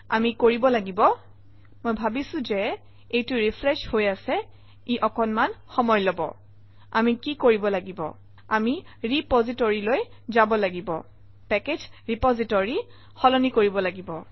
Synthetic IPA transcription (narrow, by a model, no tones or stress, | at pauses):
a̰mikoɹibɔlaɡibɔ | mojbʱabisʊ̃zɛ | ejtʊɹifʰɹɛʃhojasɛ | iʔɔkɔnmanxɔmɔjlobɔ̰ | amikikoɹibɔlaɡibɔ̰ | ami | ɹipɔzitɔɹiloj | zabɔlaɡibɔ | pɛked͡ʒɹipɔzitɔɹi | xɔlɔnikoɹibɔlaɡibɔ